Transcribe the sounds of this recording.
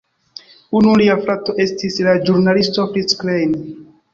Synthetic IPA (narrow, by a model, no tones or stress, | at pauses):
unuliafɾato̞ʔe̞stislad͡ʒuɾnalistokisklejn